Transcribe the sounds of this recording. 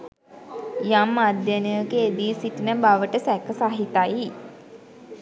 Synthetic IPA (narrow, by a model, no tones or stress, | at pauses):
jamːad̪janəjəkeːd̪iːsiʈinəbaʋəʈəsɛkəsaɦit̪aj